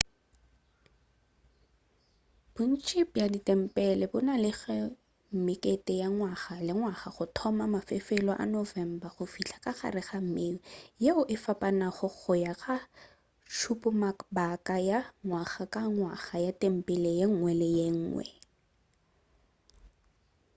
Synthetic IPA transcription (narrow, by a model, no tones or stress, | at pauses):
b̥ʊn̩t͡ʃʰʼipjadɪtɛm̩pʼɛlɛbʊnalɪχɛ | m̩mɪkʼetɛjaŋwaχalɪŋwaχaχʊtʰɔmamafefelɔʔa̰nɔvɛm̩baχʊfiɬʰḁkʼaχa̰rɪχam̩mejeʊʔɪfapʼanaχʊχʊjaχa | ʃʰupʼʊmakbakajaŋwaχakaŋwaχajatʼɛm̩pʼɛlɛjeŋ̩ŋwɛlɪjeŋ̩ːŋwɛ̰